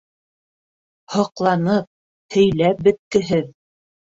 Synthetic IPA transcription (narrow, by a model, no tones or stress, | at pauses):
hɤ̆qlˠɑnɤp̚ | hɵ̆jlæp̚bɵ̆t̪̚kɘ̆ɦɘð